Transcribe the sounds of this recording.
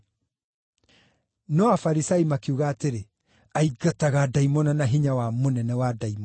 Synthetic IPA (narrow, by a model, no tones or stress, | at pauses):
nɔafaɾisaimakiuɣaːteɾe | aiɡataɣadaimɔnanaɦiɲawamonɛnɛwadaimɔ